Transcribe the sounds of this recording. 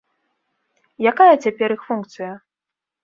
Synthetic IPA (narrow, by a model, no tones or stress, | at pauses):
jakajɐt͡sʲapʲɛɾixfunkt̪sɨjɐ